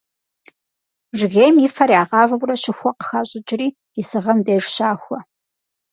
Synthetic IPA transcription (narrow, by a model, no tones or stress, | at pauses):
ʒɪɣeːjmjɪfɐɾiaːʁɑːvɐbʷrɐɕɪxʷɔqə̥xaːɕʼɪt͡ʃʼɪriː | ɪsɨʁɐmdeːʐɕaːxʷɔ